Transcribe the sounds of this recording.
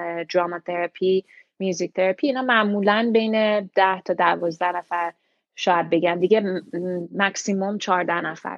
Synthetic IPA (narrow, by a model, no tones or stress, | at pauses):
d͡ʒɾɒːmɑt̪ʰeɾæpʰi | mjuzic̚t̪ʰeɾæpʰiːnɒːmæʔmuːlænbe̞jned̪̥æht̪ʰɒːd̪ævɒːzd̪æhnæfæɾ | ʃɒːjæd̪̚be̞ɟænd̪iɟeː | æksimomt͡ʃʰɒːɾd̪æhnæfæ̰ɾ